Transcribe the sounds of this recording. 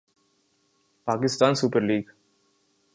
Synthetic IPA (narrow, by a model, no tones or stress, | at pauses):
pakist̪ansupəɾliːɡ